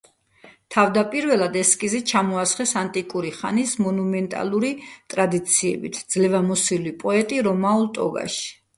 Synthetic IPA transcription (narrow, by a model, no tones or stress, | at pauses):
t̪ʰavd̪apʼiɾvɛlˠad̪ɛskʼizɛt͡ʃʰamɔasχɛsant̪ʼikʼuɾiχanismɔnumɛnt̪ʼa̰lˠuɾit̪ʼɾad̪it̪sʰiɛ̰bḭt̪ʰd̪z̥lɛvamɔsilipʼɔɛt̪ʼiɾɔmaulˠt̪ʼɔ̰ɡa̰ʃi̥